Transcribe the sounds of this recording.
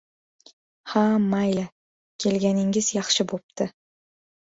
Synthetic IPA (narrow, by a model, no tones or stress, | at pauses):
hamajla | kʲʰe̞lɡʲanɪŋɪzjɑχʃɪbop̚t̪ʰɪ